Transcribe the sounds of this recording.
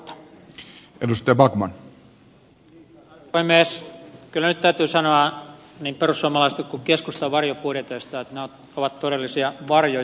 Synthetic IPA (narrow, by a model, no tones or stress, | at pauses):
edust̪ˑɑjɑbɑɡmɑn | imeːskylːænyt̪t̪æyt̪yːsɑnoɑniːmperussuɑmɑlɑist̪ekkukeskust̪ɑʋɑrjopuoret̪øist̪ɑet̪neo | oʋɑt̪t̪odelːisiɑʋɑrjo